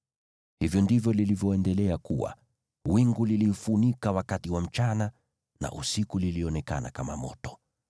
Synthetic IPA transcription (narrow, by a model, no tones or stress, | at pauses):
hivjɔndivjɔlilivjɔɛndɛlɛakuwa̰ | wiŋɡulilifunikawakatiwam̩t͡ʃana | na̰ʔusikuliliɔnɛka̰na̰kamamɔ̰tɔ̥